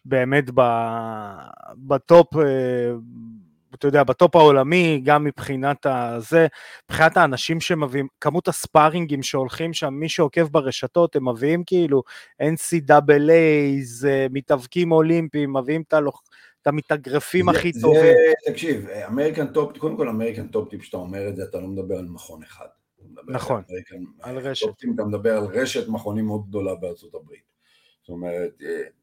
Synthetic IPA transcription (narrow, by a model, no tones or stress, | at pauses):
be̞ːme̞tba | bat̪o̞pe | at̪ajod̪eabato̞pao̞lamiɡamːipχinat̪aze̞b̥χinathaːnaʃimʃeemaviimkamutaspaʁiŋɡimʃeo̞lχimʃamːiʃeho̞ke̞vbeʁeʃato̞temːeviimkiiluʔe̞nsidabelejzmitavkimo̞limpimːaviimt̪alo | t̪amit̪aɡʁefimaχit̪ovimt̪akʃivameʁikant̪opkod̪emko̞lameʁikant̪op̚t̪ipʃḁt̪aomeʁezeatalo̞med̪abeʁalmaχo̞neχa̰d̥̪ | omed̪abnaχo̞neikaalʁeʃop̚t̪imat̪amed̪abeʁalʁeʃetmaχo̞nimeod̪̚ɡ̚d̪o̞labeaʁt͡sot̪abʁit̪ | some̞ʁet̪e